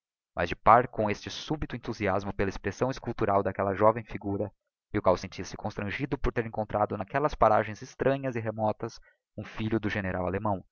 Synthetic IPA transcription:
mʔɐ̰zd͡ʒɪpaɾkõest͡ʃɪsubit̪ʊẽnt̪uziazmʊpelɐespɾesɐ̃w̃ɪskuwt̪uɾawd̪ɐkɛlɐʒɔvẽj̃fiɡuɾɐ | ɪʊkwawsẽnt͡ʃisɪ̥kõst̪ɾɐ̃ʒid̪ʊpoɾt̪eɾẽŋkõnt̪ɾad̪ʊnakɛlɐspaɾaʒẽj̃zɪst̪ɾʔɐ̃ɲɐzɪɦemɔt̪ɐs | ũfiʎʊd̪ʊʒeneɾawalemɐ̃w̃

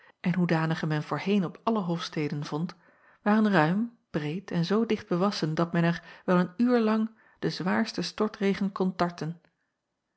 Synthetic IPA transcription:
ʔɛnɦudaːnəχəmɛnvʊːɹɦejnɔpɑləɦofstejdənv̥ɔnt | ʋaːʁənrœɥm | b̥rejtʰɛnzowdɪχd̚bəʋɑsəndɑt̚mɛnɛɹʋɛlˠənyːɹlɑŋ | d̥əzʋaːɹstəstɔɹtrejχənkɔntɑɹtən

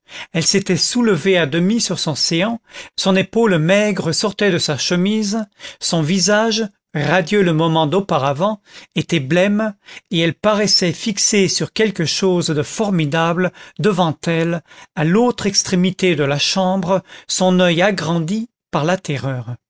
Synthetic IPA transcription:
ɛlset̪ɛsuləvead̪əmisyʁsɔ̃seɑ̃sɔ̃nepolmɛɡʁəsɔʁt̪ɛd̪əsaʃəmizsɔ̃vizaʒ | ʁad̪jøləmɔmɑ̃d̪opaʁavɑ̃et̪ɛblɛmeɛlpaʁɛsɛfiksesyʁkʲɛlkəʃozd̪əfɔʁmid̪abləd̪əvɑ̃t̪ɛlalot̪χɛkst̪χemit̪ed̪əlaʃɑ̃bʁəsɔ̃nœjaɡʁɑ̃d̪i | paʁlat̪ɛʁœːʁ

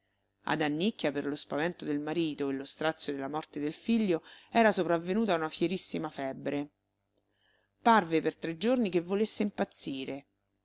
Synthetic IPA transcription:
a̰d̪anːikːjaperlospavɛnt̪od̪elmaɾiːt̪oelːost̪ɾat̪sjod̪elːamɔrt̪ed̪elfiʎːoɛːɾasopɾavːenuːt̪aunafjeɾisːimafɛbːɾe | parvepert̪ɾed͡ʒornikevːolesːeimpat̪sːiːɾe

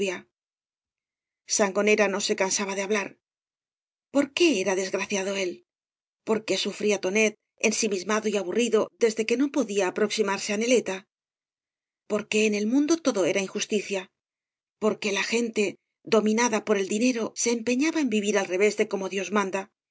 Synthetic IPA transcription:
ja | saŋɡo̞ne̞ɾano̞se̞kansaβaðeaβlaɾ | po̞ɾke̞eɾaðe̞zɣɾaθjaðo̞e̞l | po̞ɾke̞sufɾiat̪o̞ne̞t̪̚ | e̞nsimizmaðo̞iaβuriðo̞ðe̞zðe̞ke̞no̞po̞ðiaːpɾo̞ksimaɾse̞ane̞le̞t̪a | po̞ɾke̞ːne̞lmũnd̪o̞t̪o̞ðo̞e̞ɾaiŋxust̪iθja | po̞ɾke̞laxe̞nt̪e̞ | ðo̞mĩnaðapo̞ɾe̞ld̪ine̞ɾo̞se̞ːmpe̞ɲaβaembiβiɾalre̞βe̞zðe̞ko̞mo̞ðjo̞zmãnd̪a

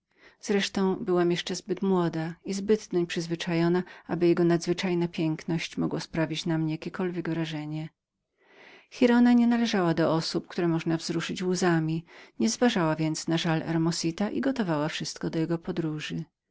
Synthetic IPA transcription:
z̥ɾɛʂt̪ɔ̃w̃bɘwamjɛʂt͡ʂɛzbɘt̪mwɔd̪aizbɘd̪d̪ɔɲpʂɘzvɘt͡ʂajɔnaʔabɘjɛɡɔnad̪zvɘt͡ʂajnapʲjɛŋknɔɕt͡ɕmɔɡwɔspɾavʲit͡ɕnamɲɛjakʲɛkɔlvʲjɛɡvɾaʐɛɲɛ | xʲiɾɔnaɲɛnalɛʐawad̪ɔʔɔsup̚kt̪uɾɛmɔʐnavzɾuʂɘt͡ɕwuzamʲiɲɛzvaʐawavʲjɛnt̪snaʐalʔɛ̰ɾmɔsit̪aʔḭɡɔt̪ɔvawafʂɘst̪̚kɔd̪ɔjɛɡɔpɔd̪ɾuʐɘ

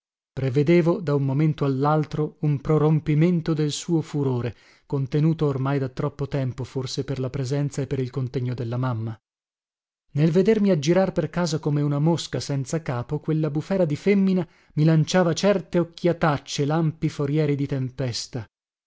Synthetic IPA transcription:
pɾeved̪eːvod̪aumːoment̪oalːalt̪ɾoumpɾoɾompiment̪od̪elsuːofuɾoːɾe | kont̪enuːt̪oːrmajd̪at̪ːɾɔpːot̪ɛmpoforseperlapɾezɛnt̪saepːeɾilkont̪eɲːod̪elːamamːa | nelved̪ermiad͡ʒiɾarperkaːzakomeunamoskasɛnt̪sakaːpokwelːabufɛːɾad̪ifemːina | milant͡ʃaːvat͡ʃɛrt̪eokːjat̪at͡ʃːelampifoɾjɛːɾid̪it̪empɛst̪a

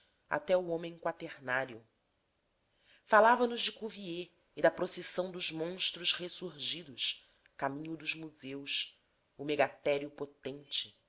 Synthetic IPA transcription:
a̰t̪ɛuõmẽŋ̃kwat̪eɾnaɾjʊ | falavɐnʊzd͡ʒɪkuvie | ɪd̪ɐpɾosesɐ̃w̃d̪ʊzmõʃt̪ɾʊʃhesuɾʒid̪ʊʃ | kamĩɲʊd̪ʊzmuzews | ʊmeɡat̪ɛɾiʊpot̪ẽnt͡ʃɪ

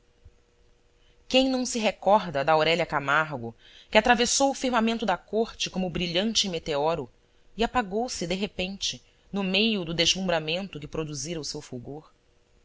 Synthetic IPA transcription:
kẽj̃nɐ̃w̃sɪɦekɔɦd̪ɐd̪ɐowɾɛlɐkamaɾɡʊ | kɪat̪ɾavesowʊfiɾmamẽnt̪ʊd̪ɐkoɾt͡ʃɪkõmʊbɾiʎɐ̃nt͡ʃɪmet̪eɔɾʊ | iapaɡowsɪd̪eɦepẽnt͡ʃɪ | nʊmejʊd̪ʊd̪eʒlũmbɾamẽnt̪ʊkɪpɾod̪uziɾɐʊsewfuɡoɾ

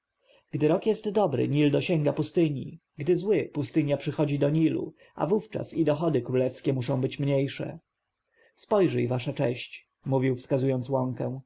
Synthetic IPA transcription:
ɡ̥d̪ɘɾɔkjɛst̪d̪ɔbɾɘ̰ɲild̪ɔɕɛŋɡapust̪ɘɲḭ | ɡd̪ɘzwɘpust̪ɘɲjapʂɘxɔd͡ʑid̪ɔɲilṵ | a̰vuft͡ʂa̰sid̪ɔxɔd̪ɘkɾulɛfskʲɛmuʂɔ̃w̃bɘt͡ɕmɲejʂɛ̰ | spɔjʐɛjvaʂat͡ʂɛ̰ɕt͡ɕ | muvʲiwfskazujɔnt̪swɔŋkɛ̃w̃

